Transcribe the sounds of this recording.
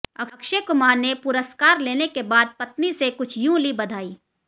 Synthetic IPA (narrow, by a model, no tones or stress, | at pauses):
ɐɐkʃekʊmaːɾnepʊɾəskaːɾleːnekebaːd̪̚pɐt̪nisekʊt͡ʃʰjũlibɐd̪ʱaːiː